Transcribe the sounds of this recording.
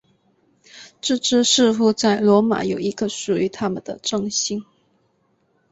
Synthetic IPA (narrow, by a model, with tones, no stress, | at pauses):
ʈ͡ʂɻ̩˥˧ʈ͡ʂɻ̩˥ʂɻ̩˥˧xu˥˧t͡sa˥˩ɪlwɔ˧˥ma̰˨˥jo˨˩ʊi˧˥ɡə˧ʂu˨˩y˧˥t̪ʰa˥mə˨nd̪ə˨˩ʈ͡ʂɤ˥˩ŋɕi˥˩ŋ